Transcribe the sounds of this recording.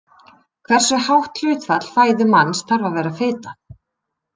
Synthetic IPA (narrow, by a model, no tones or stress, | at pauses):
kʰvɛr̥sʏhawht̪lʏːɥt̪fat̪l̥faːjðʏmanːsθʰaɾvavɛːɾafɪːt̪a